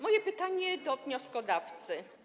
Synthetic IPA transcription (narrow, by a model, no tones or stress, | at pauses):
mɔjɛpɘt̪aɲɛd̪ɔvɲɔskɔd̪aft̪sɘ